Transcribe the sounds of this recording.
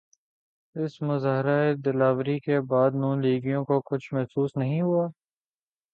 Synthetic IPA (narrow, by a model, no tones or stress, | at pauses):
ɪsmʊzaːɦɪɾaed̪ɪlaːʋɾikebaːd̪nũːnliːɡijõkokʊt͡ʃʰmɛɦsuːsnɐɦĩɦʊaː